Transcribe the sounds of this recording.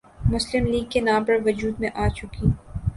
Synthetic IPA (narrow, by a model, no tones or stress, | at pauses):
mʊslɪmliːɡkenãːmpɐɾʋɐd͡ʒuːd̪mẽʔaːt͡ʃʊki